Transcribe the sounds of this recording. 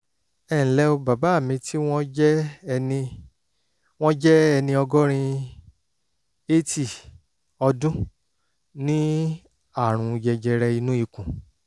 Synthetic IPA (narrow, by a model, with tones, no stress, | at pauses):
ɛ̃˦˨lɛ˦o˧ba˨ba˨˦˨mĩ˧tʰi˦w̃ɔ̃˦ɛ˦˧ĩ˧ | w̃ɔ̃˦d͡ʒɛ˦ɛ˧nĩ˧ɔ˧ɡɔ˦ɾ̃ĩ˧ | e˦ti˦˨ | ɔ˧dũ˦ | nĩ˦ | a˦˨ɾ̃ũ˨˧jɛ˧d͡ʒɛ˧ɾɛ˧i˧nũ˦i˨˧kũ˨